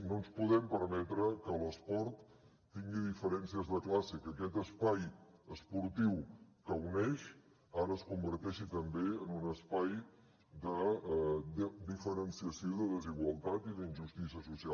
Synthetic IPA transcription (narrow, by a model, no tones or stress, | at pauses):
nonspuðɛmpəɾmɛt̪ɾəkələspɔɾt̪ː | iŋɡiðifəɾɛnsiəzðəklasikəkɛt̪əspajəspuɾt̪iwkəwnɛʃ | aɾəːskumbəɾt̪ɛʃit̪əmbeənunəspaj | d̪ə | əd̪ifəɾənsiəsioðəðəziɣwəlˠt̪at̪iðinʒust̪isiəsusia